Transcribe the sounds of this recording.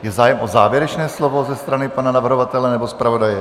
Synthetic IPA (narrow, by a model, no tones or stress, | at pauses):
jɛzaːjɛmʔozaːvjɛɾɛt͡ʃnɛːslovo̞zɛst̪ɾanɪpananavr̩ɦovat̪ɛlɛnɛbospɾavo̞dajɛ